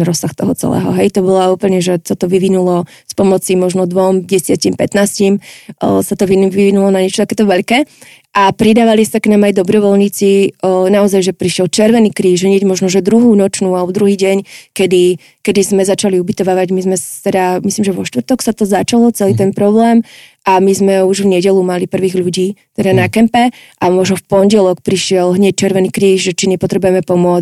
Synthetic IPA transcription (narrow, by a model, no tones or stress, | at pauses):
ɾɔsːaxt̪ɔɦɔt͡sɛ̰lɛ̰ːɦɔ̰ɦɛjt̪ɔbɔlauːpl̩ɲɛʒɛsat̪ɔʋiʋinulɔ | spɔmɔt͡simɔʒnɔd̪ʋɔmɟɛsɪacimpɛt̪naːscimsat̪ɔʋiʋiʋinulɔnaɲɛt͡ʃɔt̪akɛːt̪ɔʋɛʎkɛː | ʔapɾid̪aːʋalisaknaːmajd̪ɔbɾɔʋɔlɲit͡sinaɔzajʒɛpɾiʃjɛlt͡ʃɛɾʋɛniːkɾiːʒɦɲɪɛɟmɔʒnɔʒɛd̪ɾuɦuːnɔt͡ʃnuːalbɔd̪ɾuɦiːɟɛɲkɛd̪i | kɛd̪izmɛzat͡ʃaliubit̪ɔʋaːʋaɟmizmɛst̪ɛd̪amisliːmʒɛʋɔʃt̪vr̩t̪ɔksat̪ɔzat͡ʃalˠɔt͡sɛliːt̪ɛnpɾɔblɛːmʔamizmɛuʒvɲɛɟɛlumalipr̩ʋiːɣʎuɟiːt̪ɛd̪anakɛmpɛʔamɔʒnɔfpɔɲɟɛlɔkpɾiʃɪɛlɦɲɛc̚t͡ʃɛɾʋɛniːkɾiːʒʒɛt͡ʃinɛpɔt̪ɾɛbujɛmɛpɔmʊɔt͡s